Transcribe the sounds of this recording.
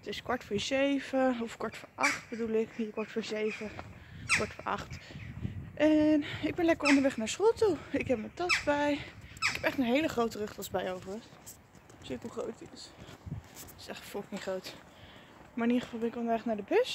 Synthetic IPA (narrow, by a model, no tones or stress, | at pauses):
tɪskɔɹtfʊːɹzejv̥əɔfkɔɹtfʊːɹʔɑχtbədulˠɪkikɔɹtfʊːɹzejvə | kɔɹtfʊɹɑ̰χt | ʔɛnɪɡ̚bɛnlɛkəɹɔndəɹʋɛχnaːɹsχolˠtuɪkɦɛp̚məntɑsbɛjɪkɛpɛχtənɦejləχrowtərɵχtɑsbɛjowvəɹə | sɪtəχrowtɪs | ɪ̥sɛχfolˠkiχrowt | maːɹɪnidəχə̥vɑlˠbɛnɪkʋɔlˠnɛχəknaːɹdəbøs